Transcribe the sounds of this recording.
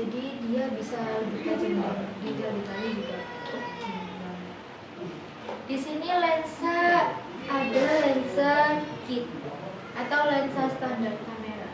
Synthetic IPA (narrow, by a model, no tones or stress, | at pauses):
d͡ʒadidiabisabukad͡ʒəmadidabit̪anid͡ʒuɡa | a | disinilɛnsa | adalɛnsakit̪̚ | ʔat̪awlɛnsast̪andart̪̚kameɾa